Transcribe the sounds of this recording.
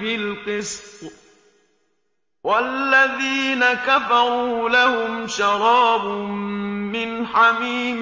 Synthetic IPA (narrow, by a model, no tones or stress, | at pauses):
ɪlqɨsq | walːaðiːnakafɑɾˤuːlahʊmʃɑɾɑːbʊː | ɪnħamiːm